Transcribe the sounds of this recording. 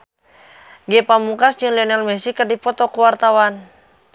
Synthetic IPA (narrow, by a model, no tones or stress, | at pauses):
ɡɛpamukasd͡ʒɨŋliɔnalmɛsikərdipɔt̪ɔkuwart̪awan